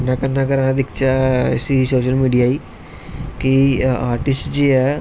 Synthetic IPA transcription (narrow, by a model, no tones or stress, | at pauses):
nakəɾnakəɾãd̪ikt͡ɕasisoːɕəlmiːɖijaiː | kiaːɾʈisʈd͡ʑiɦɛ